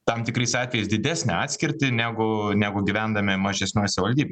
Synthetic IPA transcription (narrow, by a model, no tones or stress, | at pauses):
t̪ɑmt̪ʲɪkɾɐɪsɑːt̪ʲʋʲɛjɛɪsd̪ʲɪd̪ʲæːsʲnʲɛɑːt̪ʲsʲkʲɪɾʲt̪ʲɪnʲæːɡʊnʲæːɡʊɡʲɪʋʲænd̪ɐmʲɪmɐʒʲɛsʲnʲoːsʲɪʋɐlʲd̪ʲiːbʲ